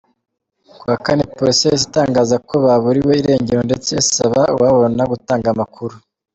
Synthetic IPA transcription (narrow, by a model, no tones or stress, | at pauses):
kuakanepoɾisezitaːŋɡaːzako̞βaβuɾiwo̞iɾe̞ːɲɟeɾo̞nde̞t͡se̞isaβaṵwaβo̞naɡutaːŋɡamakʰuɾu